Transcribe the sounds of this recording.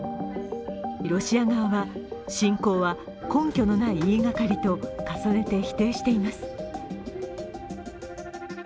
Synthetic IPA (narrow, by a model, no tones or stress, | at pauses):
ɾo̞ɕiaɡaβaβaɕĩŋko̞ːβa | kõ̞ŋkʲo̞no̞naiiːɡakaɾʲit̪o̞kasane̞t̪e̞çi̥t̪e̞ːɕi̥t̪e̞imasɨ̥